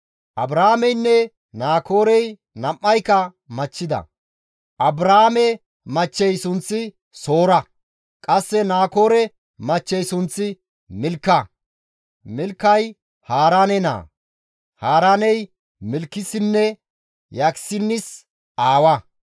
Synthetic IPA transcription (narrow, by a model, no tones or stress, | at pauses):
ʔɐbɾaːmɛjnːɛ | naːko̞ːɾɛj | nɐmːɐjkɐ | mɐt͡ʃːɪd̪ɐ̰ | ʔɐbɾaːmɛ | mɐt͡ʃːɛjsʊnt͡sːɪ | so̞ːɾɐ | kʼɐsːɛnaːko̞ːɾɛ | mɐt͡ʃːɛjsʊnt͡sːɪ | mɪlkːɐ | mɪlkːɐj | haːɾaːnɛna̰ː | haːɾaːnɛj | mɪlkːɪsɪnːɛ | jaksɪnːɪs | ʔaːwɐ